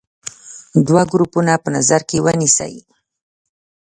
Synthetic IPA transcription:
d̪waɡɾupunapənazaɾkewənisə̰j

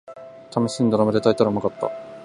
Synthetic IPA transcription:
t̪ʰamoɕĩːnd̪oɾamad̪et̪ait̪aɾamakat̪ːa̰

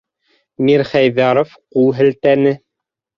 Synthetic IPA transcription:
miɾχæjðɑɾofqulˠɦɘ̆lt̪ænɘ

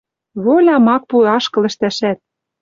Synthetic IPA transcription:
βolʲɑmɑk̚pueɑʃkɤ̆lɘ̆ʃt̪æʃæt̪̚

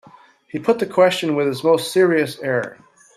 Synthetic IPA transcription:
hipʰʊt̪̚ðɨkʰw̥ɛst͡ʃɨ̃nwɨð̥ɨzmoʊstsɪɹiɨsɛɹ

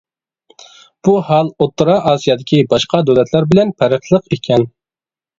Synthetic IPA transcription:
b̥uhɑlˠot̪ːɾɑʔɑːsijɑd̪ɪkʲʰibɑʃqʰɑd̪ølɛt̪ʰlæɾbɪlɛnpʰæɾəχlˠəqekʲʰɛn

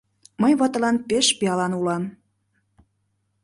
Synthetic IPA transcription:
məjβɑt̪ə̆lɑnpeʃpeɑlɑnulɑn

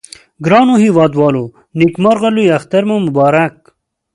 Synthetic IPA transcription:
ɡɾɑːnohiwɑːd̪wɑːlo | nikmaɾʁɐlujɐxt̪ɐɾmomubɑːɾak̚

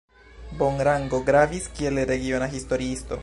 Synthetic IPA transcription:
boŋɾaŋɡo̞ɡɾaviskie̞lɾe̞ɡio̞naɦist̪o̞ɾiist̪o̞̰

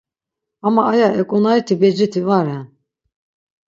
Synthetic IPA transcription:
amaːjaʔɛkʼɔnait̪ʰibɛd͡ʒit̪ʰivaɾɛn

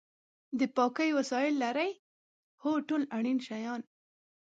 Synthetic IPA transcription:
d̪əpɑkəjwasɑjɪlːaɾaj | hoʈolaɽ̃inʃajɑn

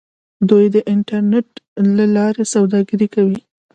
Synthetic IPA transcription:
d̪ujd̪əʔɪɳʈaɾneʈlalɑɾesawd̪ɑɡəɾikawi

